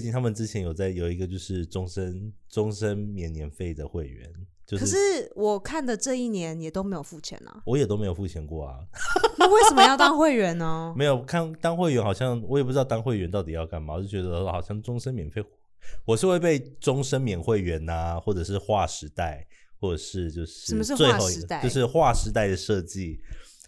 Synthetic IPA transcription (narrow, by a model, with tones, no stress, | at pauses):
t͡ɕi˥nt̪ʰa˥mə˨nʈ͡ʂɻ̩˥t͡ɕʰjɛ˧˥njo˨˩ʊt͡sa˥˩ɪjo˨˩ʊi˧˥ɡə˧t͡ɕjo˥˧ʊʂɻ̩˥˩ʈ͡ʂʊ˥ŋʂə˦nʈ͡ʂʊ˥ŋʂə˥nmjɛ˧˨˥njɛ˧˥nfe˥˩ɪd̪ə˩xwe˥˩ɪɥɛ̰˧˦nt͡ɕjo˥˧kʰə˩˥ʂɻ̩˥˩wɔ˨˩kʰa˥˩nd̪ə˨˩ʈ͡ʂɤ˥˧i˥˩njɛ˧˦njɛ˨˩t̪o˥ʊme˧˥ɪjo˨˩ʊfu˥˩t͡ɕʰjɛ̰˧˦nɐ̰˨˩wɔ˧˥jɛ˨˩t̪o˥ʊme˧˥ɪo˨˩fu˥˩t͡ɕʰjɛ˧˦nkwɔ˥˩ɐ̰˩na˥˧we˥˩ɪʂə˨˩mə˦jɑ˥˩ʊt̪ɑ˥ŋxwe˥˩ɪɥɛ˧˥nə˧me˧˥ɪjo˨˩ʊkʰa˥˩nt̪ɑ˥ŋxwe˥˩ɪɥɛ˧˥nxɑ˨˩ʊɕjɑ˥˩ŋwɔ˧˦˥jɛ˨˩pu˥˩ɻ̩˧˥t̪ɑ˥˧t̪ɑ˥ŋxwe˥˩ɪɥɛ˧˥nt̪ɑ˥˩ʊt̪i˨˩jɑ˥˧ʊka˥˩nma˨˩wɔ˨˩o˥˩t͡ɕɥɛ˧d̪ə˧ə˧xɑ˨˩ʊɕjɑ˥˩ŋʈ͡ʂʊ˥ŋʂə˥nmjɛ˨˩nfe˥˧ɪ | wɔ˨˩ʂɻ̩˥˧xwe˥˧ɪpe˥˩ɪʈ͡ʂʊ˥ŋʂə˥nmjɛ˨˩nxwe˥˩ɪɥɛ˧˥nɐ˨xwɔ˥˩ʈ͡ʂɤ˨˩ʂɻ̩˥˧xwa˥˩ʂɻ̩˧˥t̪a˥˩ɪxwɔ˥˩ʈ͡ʂə˨˩ʂɻ̩˥˧t͡ɕjo˥˧ʊʂɻ̩ə˥˨˧mə˧ʂ̬ɻ̩˥˧˥we˥ɪxo˥˧ʊ˧a˥˩jo˧ʂ̬ɻ̩˥˧xwa˥˩ʂɻ̩˧˥t̪a˥˩ɪd̪ə˩ʂɤ˥˧t͡ɕi˥˩